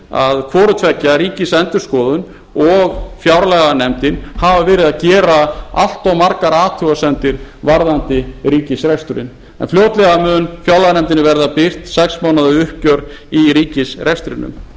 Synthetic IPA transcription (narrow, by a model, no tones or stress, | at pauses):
a̰ðkʰvɔːɾʏt̪ʰvɛcːaɾiːcɪsɛnt̪ʏɾ̥skɔːðʏn | ɔɣfjawɾlɛɣanɛmt̪ɪnhavavɛːɾɪðaðcɛːɾaa̰l̥t̪awmaɾkaɾaːt̪ʰʏasɛnt̪ɪɾvaɾðant̪ɪɾiːcɪsɾɛst̪ʏɾɪ̰n | ɛ̰nfljoːwt̪lɛɣamœːnfjawɾlaɣanɛmt̪ɪnɪvɛɾðapɪr̥t̪sɛksmaːwnaðʏʏhcœɾiɾiːcɪsrɛst̪ʏɾɪnːʏ̰m